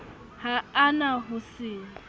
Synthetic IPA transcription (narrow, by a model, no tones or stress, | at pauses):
haːnaɦʊsɪ